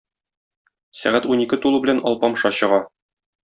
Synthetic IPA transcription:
sæ̰ʁæt̪unikɘt̪ulˠubɘ̆lænɒ̰lˠpɑmʃɑɕɤ̆ʁɑ

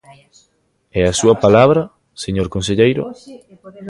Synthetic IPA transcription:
ɛasuɐpalaβɾɐ | seɲoɾkõnseʎejɾʊ̰

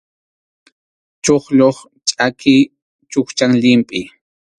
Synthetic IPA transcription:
t͡ʃoχʎoχ | t͡ʃʼakʰɪ | t͡ʃʊχt͡ʃaŋʎɪmpʼɪ

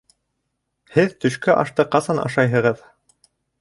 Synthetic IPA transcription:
hɘðt̪ɵ̆ʃkæʔɑ̰ʃt̪ɤqɑsɑnɑ̰ʃɑjɦɤ̆ʁɤð

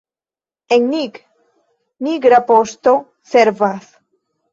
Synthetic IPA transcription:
eŋnik | niɡɾapost̪o | seɾvas

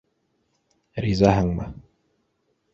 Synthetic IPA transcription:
ɾizaɦɤɴmɤ̰

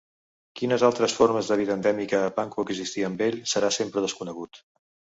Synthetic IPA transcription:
kinəzalˠt̪ɾəsfoɾməzðəβiðəːnd̪ɛmikəːpaŋkuəɡzist̪iəmbeʎsəɾasempɾəðəskunəɣut̪

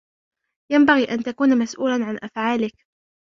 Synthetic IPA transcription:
jambaɣiːʔant̪akuːnmasʔuːlanʕanʔafʕaːlɪk

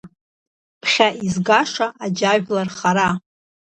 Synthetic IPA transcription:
pʰχʲaʔizɡaʂaʔad͡ʒaʒᶣlarχaɾa

